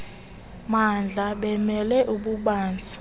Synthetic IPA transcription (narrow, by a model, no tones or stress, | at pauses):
mand͡ɮʱaɓɛmɛlɛʔuɓuɓaːnd͡zʱi̥